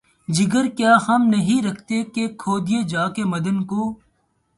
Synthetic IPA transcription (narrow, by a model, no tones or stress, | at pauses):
d͡ʒɪɡəɾkjaːhɐmnɐɦĩɾɐkʰt̪ekekʰoːd̪ɪjed͡ʒaːkemɐd̪ənkoː